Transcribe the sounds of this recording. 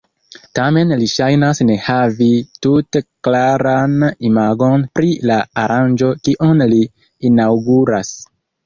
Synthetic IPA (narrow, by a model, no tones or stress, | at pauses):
tame̞nliʃajnasne̞havituteklaɾanimaɡo̞npɾilaːɾʔand͡ʒo̞kiʔonliː | nawɡuɾas